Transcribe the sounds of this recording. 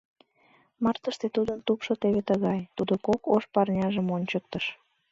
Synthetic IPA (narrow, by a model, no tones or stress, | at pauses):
mɑrt̪əʃt̪et̪ud̪ənt̪upʃot̪eβet̪əɣɑjt̪ud̪okokoʃpɑrnʲɑʒəmonʲt͡ɕək̚t̪əʃ